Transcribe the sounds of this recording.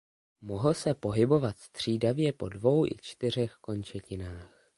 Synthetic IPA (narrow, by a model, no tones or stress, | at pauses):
mo̞ɦl̩sɛpo̞ɦɪbo̞vat̪st̪r̝̥iːdavjɛpo̞dvo̞wʔɪ̰t͡ʃt̪ɪr̝ɛxko̞nt͡ʃɛcɪnaːx